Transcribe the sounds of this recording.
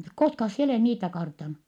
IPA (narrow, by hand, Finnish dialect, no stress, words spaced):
koskɑs sie oleˑh niːtæ kɑrtɑnu